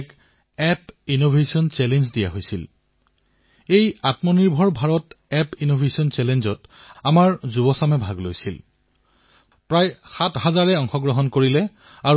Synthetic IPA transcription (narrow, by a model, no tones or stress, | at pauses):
k | ɛpinobʱesiɔnt͡ʃɛlenzdijaɦojsil | ejatmɔniɹbʱɔɹbʱaɹɔtɛpinobʱesiɔnt͡ʃɛlenzɔtamaɹzubɔsamɛbʱaɡlojsil | pɹajxathazaɹɛɔŋxɔɡɹɔɦɔnkoɹilɛ | aɹ